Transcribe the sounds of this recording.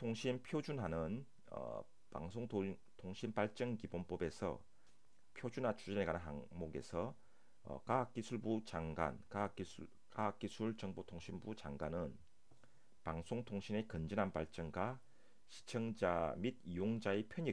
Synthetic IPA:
tʰoŋɕʰinpʰjod͡ʑunɦanɯn | ʌ̰ | pa̰ŋsʰoŋtʰ | tʰoŋɕʰinpaɭt͡ɕ͈ʌŋkibonp͈ʌbe̞sʰʌ̰ | pʰjod͡ʑunɦat͡ɕʰud͡ʑinekanɯnɦaŋmoɡe̞̰sʰʌ̰ | kaɦak͈isʰuɭbut͡ɕaŋɡa̰nkak͈iu | kaak͈isʰuɭt͡ɕʌŋbotʰoŋɕʰinbut͡ɕaŋɡanɯn | paŋsʰoŋtʰoŋɕʰine̞kɯnd͡ʑɯnɦanpaɭt͡ɕ͈ʌŋɡwa | ɕʰi̥t͡ɕʰʌŋd͡ʑamid̚ijoŋd͡ʑaepʰjʌɲi

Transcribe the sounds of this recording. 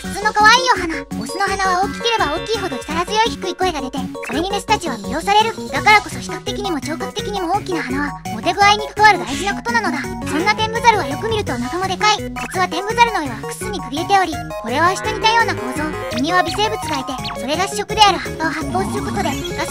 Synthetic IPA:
ɯ̥sɨno̞kaβaiːoɦanabo̞ːsɨno̞ɦanaβ̞ao̞ːkʲi̥kʲeɾe̞bao̞ːkʲiːɦo̞d̪o̞t͡ɕi̥t̪aɾazɨjo̞içʲi̥kɯ̟iko̞e̞ɡad̪e̞t̪e̞ko̞ɾe̞ɲ̟id̪e̞sɨ̥t̪at͡ɕiβ̞abijo̞ːsaɾe̞ɾɯ̟d̪̥akaɾako̞so̞ɕi̥kakɯ̟̥t̪e̞kʲiɲ̟imo̞t͡ɕo̞ːkakɯ̟̥t̪e̞kʲiɲ̟imo̞oːkʲinaɦanaβamo̞t̪e̞ɡɯaiɲ̟i̥t̪oaɾɯ̟d̪aiʑinako̞̥t̪o̞nano̞d̪asõ̞nːat̪ẽ̞mbɯ̟zaɾɯ̟βajo̞kɯ̟mʲiɾɯ̟t̪o̞nakamo̞d̪e̞kai | bit͡sɨβat̪ẽ̞mbɯ̟zaɾɯ̟no̞iβaɸɯ̥kɯ̥t͡sɨɲ̟ikɯ̟ɾʲiet̪e̞o̞ɾʲi | ko̞ɾe̞βaɕi̥t̪o̞ɲ̟it̪ajo̞ːnako̞ːzo̞ːkɯɲ̟ĩβabʲise̞ːbɯ̟t͡sɨɡaet̪e̞so̞ɾe̞ɡaɕi̥ɕːo̞kɯ̟d̪e̞aɾɯ̟hakːaoɦapːo̞ːsɨɾɯ̟ko̞t̪o̞d̪e̞ | ɡa

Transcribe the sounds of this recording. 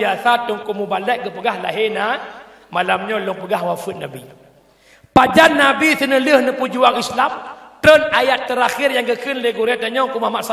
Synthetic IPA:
asat̪uŋkumubalɛʔ̚ɡəpəɡahlaɦena | malamɲɔlɔŋpəɡahwafət̪̚nabḭ | pad͡ʒanːabisənələhnəpud͡ʒuaŋislamt̪ənajat̪ːəɾaxirjaŋɡəkʰənləɡuɾiat̪aɲɔŋkumamaʔsa

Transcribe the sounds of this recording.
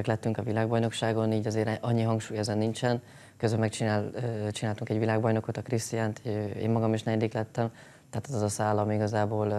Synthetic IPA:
ɛklɛt̪ːyŋkɒvilaːɡ̚bɒjno̞kʃaːɡo̞niːɟɒzeːɾʔɒɲːiɦɒŋkʃuːjɛzɛnːint͡ʃɛn | køzølmɛkt͡ʃit͡ʃinaːlt̪uŋkɛɟvilaːɡ̚bɒjno̞ko̞t̪ɒkrist̪ijaːnt̪ḛːmːɒɡɒmiʃnɛind̪iːklɛt̪ːɛm | t̪ɛɦat̪ɛzɛzɒsaːlːɒmiiɡɒzaːboːl

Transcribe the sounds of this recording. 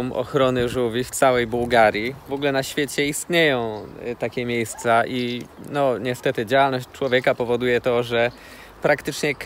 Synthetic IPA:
mʔɔ̰xɾɔnɘʐuvʲift̪sawɛjbuwɡaɾʲjivɔɡulɛnaɕfʲjet͡ɕɛist̪ɲejɔ̃w̃t̪akʲɛmʲjejst̪saʔinɔɲɛst̪ɛt̪ɘd͡ʑawalnɔɕt͡ɕt͡ʂwɔvʲjekapɔvɔd̪ujɛt̪ɔʐɛ | pɾakt̪ɘt͡ʂɲɛk

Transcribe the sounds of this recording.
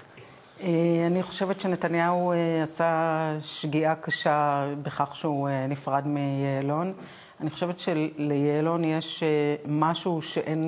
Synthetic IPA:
ʔeaniχo̞̥ʃevetʃe̞ne̞tanjaueasaʃɡiʔakaʃabeχaχʃeuenifʁadmejeːlo̞n | aniχoʃevetʃe̞lejeːlo̞njeʃemaʃuʃe̞ʔen

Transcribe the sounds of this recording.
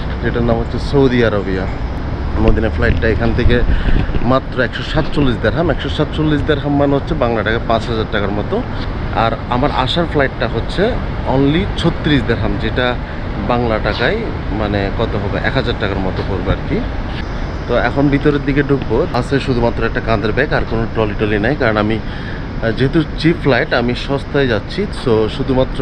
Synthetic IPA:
d͡ʑeʈanamɦotːɕʰesowd̪iaɾabia | nod̪inaɾflajʈʈaekʰant̪ʰekemat̪ːɾoɛkʃɔʃat̪t͡ɕolːisd̪eɾɦamɛkʃɔʃat̪̚t͡ɕolːisd̪eɾɦamːanɦotːɕʰebaŋlaʈakajpãt͡ɕɦad͡ʑaɾʈakaɾmɔt̪o | a̰ɾamaɾaʃaɾflajʈːaɦotːɕʰe | ɔnlit͡ɕʰot̪ːɾisd̪eɾɦamd͡ʑeʈa | baŋlaʈakaj | manekɔt̪oɦɔbeʔɛ̰kɦad͡ʑaɾʈakaɾmɔt̪okoɾbaɾki | t̪oɛkʰonbit̪oɾeɾd̪ikeɖʱukboasʰeʃud̪ʱumat̪ːɾoɛk̚ʈakãnd̪eɾbɛkaɾkonoʈɾɔliʈolinajkaɾonami | d͡ʑeɦet̪ut͡ɕipflajʈamiʃɔst̪aed͡ʑatːɕʰitoʃud̪ʱumat̪ːɾo

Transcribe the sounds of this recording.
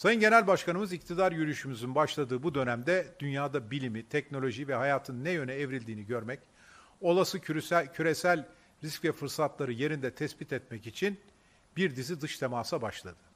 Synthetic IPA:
sajɯnɟe̞nælʲbaʃkanɯmɯzic̚t̪ʰid̪aɾjyɾyʃymyzynbaʃlˠad̪ɯːbud̪ø̞næmd̪ɛd̪ynjaːd̪abilʲimit̪ʰɛcno̞lʲo̞ʒivɛɦajaːt̪ʰɯnːɛjø̞nɛːvɾilʲd̪iːniɟø̞ɾmɛc | o̞lˠasɯcʰyɾesælʲ | ɾiscvɛfɯɾsat̪lˠaɾɯje̞ɾind̪ɛt̪ʰɛsbit̪ɛt̪mɛcit͡ʃʰin | biɾd̪izid̪ɯʃt̪ʰemaːsabaʃlˠa̰d̪̥ɯ̥

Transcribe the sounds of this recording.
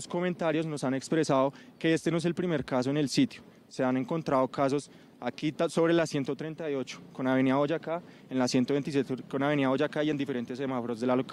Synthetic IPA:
sko̞ment̪aɾjo̞zno̞sane̞kspɾe̞saðo̞ke̞est̪enoes̬e̞lpɾimeɾkas̬o̞ene̞lsit̪jo | se̞ane̞ŋko̞nt̪ɾaðokas̬o̞s | akit̪aso̞βɾe̞lasje̞nt̪ot̪ɾe̞nt̪ajo̞t͡ʃo̥ko̞naβe̞niaod͡ʒaka | enlasje̞nt̪oe̞nt̪is̬jet̪konaβe̞niaod͡ʒakaie̞nd̪ife̞ɾe̞nt̪e̞sːe̞mafoɾozd̪e̞lalok

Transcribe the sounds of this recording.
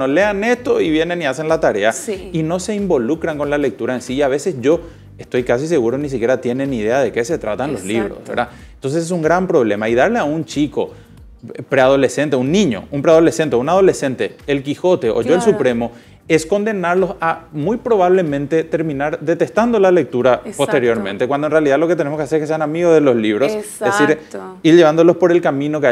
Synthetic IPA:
nole̞ane̞st̪oiβje̞ne̞nːiase̞nlat̪aɾe̞aino̞se̞imbolukɾaŋko̞nlale̞k̚t̪uɾaensiːaβe̞se̞sʝo̞ | est̪o̞jkas̬is̬e̞ɣuɾonis̬ikʲje̞ɾat̪je̞ne̞niðe̞aðe̞ke̞se̞t̪ɾat̪anlo̞̰sliβɾo̰sβḛɾa | nt̪o̞nseses̬uŋɡɾampɾo̞βle̞maiðaɾleaunt͡ʃiko̞̰ | pɾe̞aðo̞le̞se̞nt̪eunːĩɲo̞̰umpɾeað̞ole̞se̞nt̪eunað̞o̞le̞se̞nt̪e̞ːlkixo̞t̪e̞ʔo̰ʝo̞elsupɾe̞mo̞ | e̞sko̞nd̪e̞naɾlo̞samujpɾo̞βaβle̞mẽ̞nt̪e̞t̪e̞ɾmĩnaɾðe̞t̪est̪and̪olale̞k̚t̪uɾapost̪eɾjoɾmẽnt̪ekwand̪onrealiðaðlo̞keene̞mokeseeskese̞anamiɣozðelo̞sliβɾosesiɾiɾʎe̞βand̪olo̞spo̞ɾe̞lkamĩno̞ke

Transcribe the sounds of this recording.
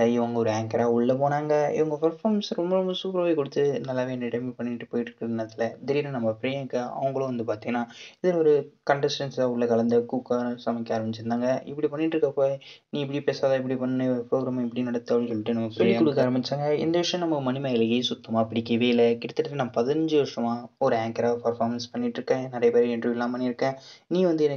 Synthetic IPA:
ɪʋɐŋɡɐɔɾɯeːŋkɐɾaːʊɭːɐpoːnaːŋɡɐɪ̰ʋɐŋɡɐpɐɾfaːɾmsɾɔmbɐɾɔmbɐsuːpɐɾʋaːjkɔɽɯt̪ːɯnɐlːaːʋeːnɛʈɐmipɐɳːɪʈːɯpoːjɪʈːɾɯkːɪɾɐnːɐt̪ːɪlɐd̪ɛɾiːɾɐnɐmːɐpɪɾejkɐɐ̰ʋɐŋɡɐɭõʋɐnd̪ɯpaːɾt̪iŋɡɐnːaːɪðɪlɔɾɯkɐɳɖɐsʈɐnsaʊɭːɐkɐɭɐnd̪ɐkuːkasɐmɐkːaːɾɐmɪt͡ʃːɪɾɯnaːŋɡɐɪpːɽipɐɳːɪʈːɾɯkːɐpoːjnĩːɪp̬ːɐɽipeːsaːðaːɪp̬ːɐɽipɐnːnɯɔɾɯpɾoːɡɾaːm̃ɪpːɐɽinɐɽɐt̪ːɯaːbɽĩsɔlːɪʈːɯnɐmːɐpɾpːɽiɐkːʊɽɯkkːaaːɾɐmbɪt͡ʃːaːŋɡɐɪ̰nd̪ɐʋɪʂɐjɐ̃nɐmːɐmɐnɪmɐɪlɐɣisʊt̪ːɐmaːpːɪɽɪkːɐʋeːɪlɐkɪɽɐt̪ːɯʈːɐtːɯnaːɐpɐðɪnɐɲd͡ʒɯʋɐɾʂɾɐmaːɔɾɯaːŋkɐɾaːpɐɾfaːɾmɐnspɐɳːɪʈːɾɯkːẽːnɪɾɐjɐpeːɾiɛndrɯɪlːãːmpɐɳːɪɾɯkːẽːnĩːʋɐnd̪ɯɛnɐ

